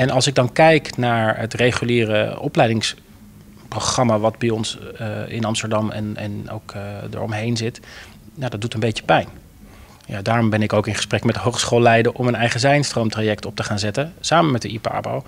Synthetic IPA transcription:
ɛnɑlˠsɪɡ̚dɑnkɛjknaːɹɦətrejχyliːrəɔplɛjdɪŋs | proχrɑmaːʋɑdbɛjɔnsɪ̰nɑmstəɹdɑmɛ̰nɛ̰no̰wkdə̰ɹɔmɦejnzɪt | jadɑt̚dutənbejcə̥pɛjn | ja̰daːrɔmbɛnɪkowkɪnχəsprɛkmɛtdəɦowχsχolːɛjdəɹʔɔmənɛjχəzɛjnstromtraːjɛk̚tɔp̚təχaːnzɛtənsaːməmɛt̚dəʔipa̰ːbo̰w

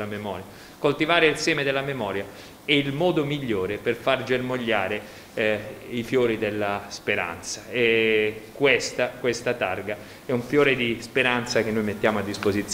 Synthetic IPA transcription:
lamemɔːɾja | kolt̪ivaːɾeilsɛːmed̪elːamemɔːɾja | ɛilmɔːd̪omiʎːoːɾeperfard͡ʒermoʎːaːɾe | ifjoːɾid̪elːaspeɾa̰nt̪saɛkwest̪akwest̪at̪arɡa | ɛuɱfjoːɾed̪ispeɾant̪sak̟enːojmet̪ːjaːmoad̪ːispozit̪s

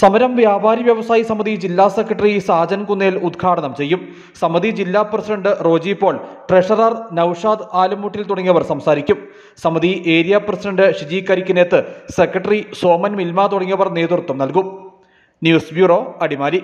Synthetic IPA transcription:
sɐmɐɾɐmʋjaːbʱaːɾiʋjɐʋɐsaːjisɐmɐðid͡ʑilːaːsekrɐʈrisaːd͡ʑɐnkunːeːlud̪ɡʰʱaːɽɐnɐmt͡ɕe̞jːum | sɐmɐðid͡ʑilːaːprɐsiɖɐɳɖɨro̞ːd͡ʑipːo̞ːɭʈreʂɐrɐrnɐwʂaːd̪aːlɐmːuːʈːilt̪uɽɐŋːɐʋɐrsɐmsaːɾikʲːum | sɐmɐðiʔeːɾijaprɐsiɖɐɳɖɨʂid͡ʑiːkːɐɾikʲːuneːt̪ːɨsekrɐʈɐriso̞ːmɐnmilmaːt̪uɽɐŋːɐʋɐrne̞ːd̪urt̪ːumnɐlkum | njuːsbjuːro̞ːɐɽimaːli

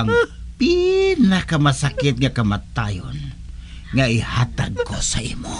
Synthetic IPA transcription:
ŋpinahkamasakɪt̪̚ŋakamat̪ajɔ̰n | ŋaihat̪ankosaimu

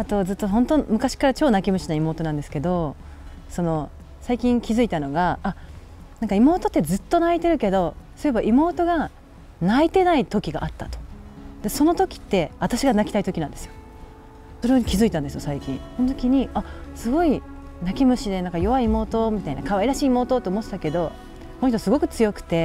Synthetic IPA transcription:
at̪o̞zɨt̪ːo̞ɦõ̞nt̪o̞mɯ̟kaɕi̥kaɾat͡ɕo̞ːnakʲimɯ̟ɕinaimoːt̪o̞nãnd̪esɨ̥ke̞d̪o̞ | so̞no̞ | saikʲĩŋkʲizɨit̪ano̞ɡaː | nãŋkaimo̞ːt̪ot̪ːe̞zɨt̪ːo̞nait̪e̞ɾɯ̟ke̞d̪o̞so̞ɾe̞baʔimo̞ːt̪o̞ɡa | nait̪e̞nait̪o̞kʲiɡa̰ʔat̪ːat̪o̥d̪eso̞no̞t̪o̞kʲi̥t̪ːe̞βat̪aɕiɡanakʲi̥t̪ait̪o̞kʲinãnd̪e̞sɨjo̞ | so̞ɾeoɲ̟ikʲizɨit̪ãnd̪esɨjosaikʲĩɰso̞not̪o̞kʲiɲ̟iasɨɡo̞i | nakʲimɯ̟ɕid̪e̞nãŋkajo̞βaiːmo̞ːt̪o̞mʲit̪ainakaβaiɾaɕiːmo̞ːt̪ot̪ːeomo̞t̪ːet̪ake̞d̪o̞ | konoçit̪osɨɡo̞kɯ̟̥t͡sɨjo̞kɯ̟̥t̪e̞

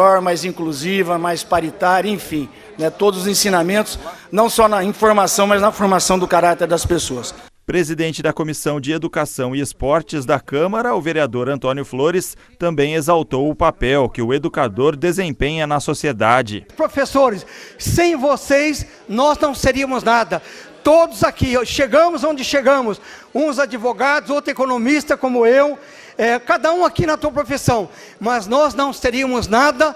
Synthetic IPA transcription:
ɔɾmajzĩkluzivɐmajspaɾit̪aɾjɐẽfĩ | nɛt̪od̪ʊzʊzẽsĩnamẽnt̪ʊ̥s | nɐ̃w̃sɔnɐĩfoɾmasɐ̃w̃mɐznɐfoɾmasɐ̃w̃d̪ʊkaɾat̪eɾd̪ɐspesoɐs | pɾezid̪ẽnt͡ʃɪd̪ɐkomisɐ̃w̃d͡ʒɪed̪ukasɐ̃w̃ɪespɔɾt͡ʃɪzd̪ɐkɐ̃mɐɾɐʊveɾiad̪oɾɐ̃nt̪õnjʊfloɾɪst̪ɐ̃mbẽj̃ezawt̪owʊpapɛwkɪʊed̪ukad̪oɾd̪ezẽpẽɲɐnɐsosied̪ad͡ʒɪ̰pɾofesoɾɪsːẽj̃vosejs | nɔznɐ̃w̃seɾiɐmʊznad̪ɐ | t̪od̪ʊzakiʃeɡɐ̃mʊzõnd͡ʒɪʃeɡɐ̃mʊs | ũzad͡ʒivoɡad̪ʊzowt̪ɾʊekõnõmist̪ɐkõmʊew | ɛkad̪ɐũakinɐt̪uɐpɾofisɐ̃w̃ | mɐznɔznɐ̃w̃seɾiɐmʊznad̪ɐ

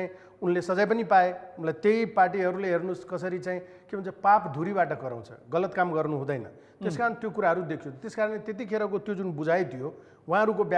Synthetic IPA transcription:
ĩ | unlesʌd͡zʌjp̬ʌnipaeunlajt̪ejparʈ̬iɦʌɾuleɦernuskʌsʌɾit͡saĩ | kibʱʌnt͡sʰʌpapd̪ʱuɾibaʈʌkʌɾa̰w̃t͡sʰʌ̰ɡʌlʌt̪kamɡʌrnuɦũd̪ʌjnʌ̰ | t̪eskaɾʌnt̪jokuɾaɦʌɾud̪ekʰjut̪eskaɾʌnlet̪et̪̬ikʰeɾakot̪jod͡zunbud͡zʱaet̪ʰijo | w̃ɦãɦʌɾukobj

